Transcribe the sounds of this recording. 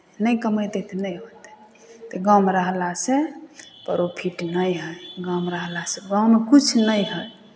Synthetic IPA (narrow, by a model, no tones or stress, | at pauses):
nəjkəməjt̪et̪ʰnəjɦot̪ɛ̥ | t̪eɡamɾəɦlasepəɾopʰiʈnəjɦəjɡãmɾəɦlaseɡawmekut͡ʃʰnəjɦəj